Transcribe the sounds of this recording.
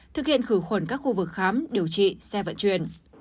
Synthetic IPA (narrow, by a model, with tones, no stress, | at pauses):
t̪ʰɨ˨˩k̚hḭ˧˨ənxɨ˧˩xwə˧˩nkaː˦˥k̚xu˧vɨ˨˩k̚xaː˨˦mɗi˨˩əwt͡ɕḭ˧˨sɛ˧və̰˧˨nt͡ɕwḭ˧˨ən